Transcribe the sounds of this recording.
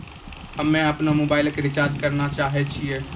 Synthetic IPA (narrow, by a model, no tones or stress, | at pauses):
ɦɐmɛ̃ɐpnamoːbaːɪləkɾɪt͡ʃaːɾd͡ʒ̪kɐɾnat͡ʃaːɦet͡ʃʰie